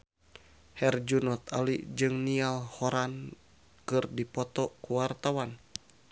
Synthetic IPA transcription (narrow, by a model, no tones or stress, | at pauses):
hɛrd͡ʒunɔt̪alid͡ʒɨŋnialhɔɾan | kɨrdipɔt̪ɔkuwart̪awan